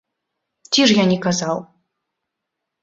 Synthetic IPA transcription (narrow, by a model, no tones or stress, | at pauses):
t͡sʲiʐjanʲɛkazaw